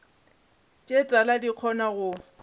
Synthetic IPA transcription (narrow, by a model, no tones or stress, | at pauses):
t͡ʃʼetʼaladiq͡χʰɔnaɣʊ